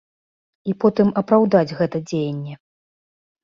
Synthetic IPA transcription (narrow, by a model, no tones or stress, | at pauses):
ipɔt̪ɨmɐpɾawd̪ad͡zʲɣɛt̪ɐd͡zʲejɐnʲːɛ